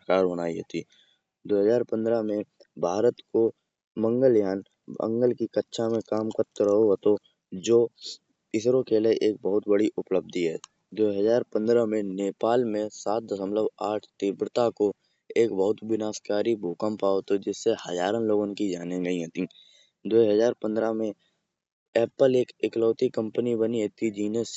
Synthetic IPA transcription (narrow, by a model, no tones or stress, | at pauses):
əkaːɾbənaːiɦo̰ːt̪iː | d̪oːɦəzaːɾpə̃nd̪ɾəmẽ | bʱaːɾət̪ko | mə̃ŋɡəljaːn | ə̰̃ŋɡəlkikətːʃʰamẽkaːmkəɾt̪ɾəɦoɦət̪o | d͡ʒoː | ɪsɾokeleʔeːk̚bəɦʊt̪bəɽiʔʊpləb̚d̪iɦɛː | d̪oːɦəzaːɾpə̃nd̪ɾəmẽneːpaːlmẽsaːt̪̚d̪əsəmləbaːʈʰt̪ɪːbɾət̪ako | eːkbəɦʊt̪bɪnaːskaːɾibʱoːkəmpaːot̪od͡ʒɪsːehɐd͡ʒaːɾənloːɡõnkid͡ʒaːneɡəĩɦət̪ĩː | d̪oːɦəzaːɾpə̃nd̪ɾamẽ | ɛːpəleːkɪklɔːt̪ikə̃mpənibəniɦet̪id͡ʒiːnəs